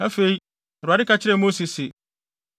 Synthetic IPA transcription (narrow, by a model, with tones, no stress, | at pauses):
a˦fe˨i˦˨ | ɾa˨ɪ˦ka˨t͡ɕʰɪ˦ɾɛ˨mo˦si˨sɪ˨